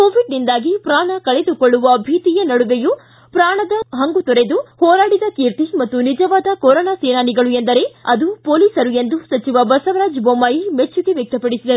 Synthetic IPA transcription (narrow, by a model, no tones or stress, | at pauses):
koːʋiɖnind̪aːɡipɾaːɳɐkɐɭe̞d̪ukoɭːuʋɐbʱiːt̪ijɐnɐɽuʋeju | pɾaːɳɐd̪ɐɦɐŋɡut̪ɔɾed̪uhɔːɾaːɽid̪ɐkiːɾt̪imɐt̪ːunid͡ʒɐʋaːd̪ɐkɔɾɔːnaːseːnaːniɡɐɭue̞nd̪ɐɾe̞ɐd̪upoːliːsɐɾue̞nd̪usɐt͡ʃiʋɐbɐsɐʋɾaːd͡ʒbombaːjimet͡ʃːuɡe̞ʋjek̚t̪ɐpɐɽisid̪ɐɾu